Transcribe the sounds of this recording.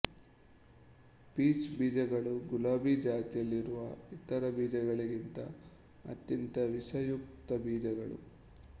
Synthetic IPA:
piːt͡ʃbiːd͡ʒɐɡɐɭuɡulaːbid͡ʒaːt̪ijɐlːiɾuʋɐit̪ɐɾɐbiːd͡ʒɐɡɐɭiɡint̪ɐ̰ | ɐ̰t̪jɐnt̪ɐʋisɐjuk̚t̪ɐbiːd͡ʒɐɡɐɭṵ

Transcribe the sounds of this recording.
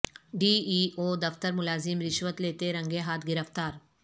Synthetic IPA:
ɖiːiːʔoːd̪ɐft̪əɾmʊlaːzɪmɾɪʃʋət̪leːt̪eɾɐ̃ŋɡeɦaːt̪ʰɡɪɾəft̪aːɾ

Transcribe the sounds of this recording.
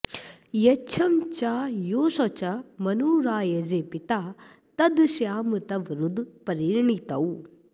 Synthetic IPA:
jɐt͡ʃʰɐmt͡ʃaːjoːsot͡ʃɐmɐnuːɾaːjɐzepit̪aː | t̪ɐd̪ʃjaːmɨt̪ɐʋɾud̪pɐɾiːɾɳit̪ɐw

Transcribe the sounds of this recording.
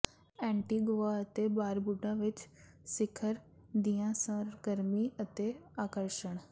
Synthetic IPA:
ɛ̃ːɳʈiːɡoːaːət̪ebaːɾbʊɖãːʋɪt͡ʃ | sɪkʰəɾ | d̪ijãːsə̃ɾɡəɾmiːət̪eaːkəɾʃəɳ̃

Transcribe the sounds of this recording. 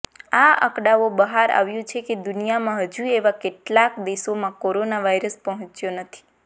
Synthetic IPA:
aə̰kɽaʋobəɦaɾa̰ʋjũt͡ʃʰeked̪ʊnijamãɦəd͡ʒũeʋakeʈlakd̪esomãkoɾonaʋaiɾəspəɦə̃t͡ʃjonət̪ʰi̥

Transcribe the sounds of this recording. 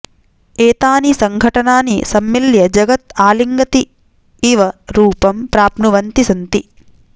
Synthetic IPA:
eːt̪aːnisɐŋɡʱɐʈɐnaːnḭsɐmːiljɐd͡ʒɐɡɐt̪aːliŋɡɐt̪i | iʋɐɾuːpɐmpɾaːpɳuʋɐnt̪isɐnt̪i

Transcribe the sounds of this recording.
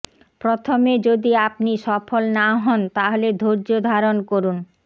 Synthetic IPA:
pɾot̪ʰomed͡ʑod̪iapniʃɔfolnaɦɔnt̪aɦoled̪ʱoɾd͡ʑod̪ʱaɾonkoɾun

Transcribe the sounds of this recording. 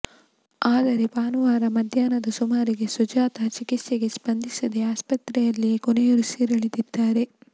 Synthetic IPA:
aːd̪ɐɾe̞paːnuʋaːɾɐmɐd̪ʱjaːnɐd̪ɐsumaːɾiɡe̞sud͡ʒaːt̪ɐt͡ʃikit̪seɡe̞spɐnd̪isɐd̪e̞aːspɐt̪ɾɛjɐlːikonejoɾusiːɾɐɭid̪id̪ːaːɾe̞

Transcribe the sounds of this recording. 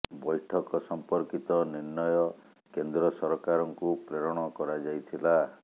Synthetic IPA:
bɔjʈʰɔkɔsɔmpɔɾkit̪ɔniɾnɔjɔ | kend̪ɾɔsɔɾɔkaɾɔŋkupɾeɾɔɽ̃ɔkɔɾad͡ʒajt̪ʰila

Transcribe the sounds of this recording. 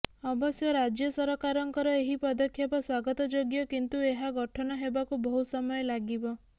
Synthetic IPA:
ɔbɔsjɔɾad͡ʒjɔsɔɾɔkaɾɔŋkɔɾɔeɦipɔd̪ɔkʰjapɔswaɡɔt̪ɔd͡ʒoɡjɔkint̪ueɦaɡɔʈʰɔnɔɦebakubɔɦusɔmɔjɔlaɡibɔ

